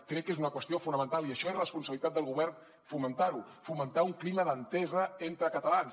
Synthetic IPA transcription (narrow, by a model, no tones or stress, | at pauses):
kɾɛkːezunəkwəst̪iofunəmənt̪alˠiəʃɔezləspunsəβlit̪at̪d̪əlˠɣuβɛrn | fumənt̪aɾu | fumənt̪auŋkliməðənt̪ɛzəent̪ɾəkət̪əlans